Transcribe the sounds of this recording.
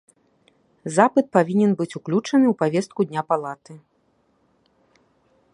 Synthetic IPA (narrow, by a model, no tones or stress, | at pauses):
zapɨt̪̚pavʲinʲɛnbɨt͡sʲuklʲut͡ʂɐnɨwpavʲɛst̪̚kud̪ʲnʲapalˠat̪ɨ